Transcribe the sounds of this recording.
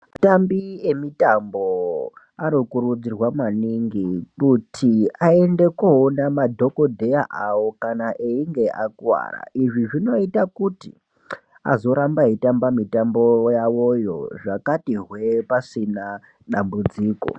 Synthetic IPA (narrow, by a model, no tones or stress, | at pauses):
tambiemitambo | anokuɾud͡zirwamaniŋɡikutʰiae̞nde̞koːnamadʱo̞ko̞dʱe̞jaʔawo̞kanaʔeiŋɡe̞ʔakwa̰ːra̰ʔiʐiʐino̞itakutḭ | a̰zo̞ɾambaitambamitambo̞jawo̞jo̞̰ʐakatiɦwe̞pasina | ɗambud͡ziːko̰